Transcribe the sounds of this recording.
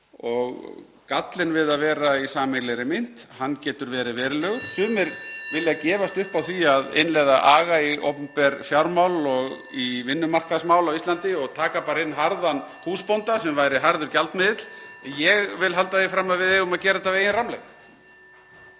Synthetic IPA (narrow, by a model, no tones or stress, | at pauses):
ɔɣ | kat̪lɪnvɪðaðvɛːɾaisaːmɛɣlɛɾɪmɪn̥t̪hanːcɛːt̪ʏɾvɛːɾɪvɛːɾɪlœɣsʏːmɪɾvɪlːɪacɛːvast̪ʏhpawθiaðḛnlɛɣðaʔaːɣaio̰wpʏmpɛɾfjawɾmawlɔɣ | ivɪnːʏmar̥kasmaːwlawist̪ant̪ɪɔɣt̪ʰaːkapaːɾɪnːɦaɾðanhuːspownt̪asɛmvajɾɪɦaɾðʏɾcalt̪mɪðɪt̪l̥jɛɣvɪlɦalt̪aðefɾamːavɪðeːɣʊmaðcɛːɾat̪aveːjɪnramlɛ̰ɣ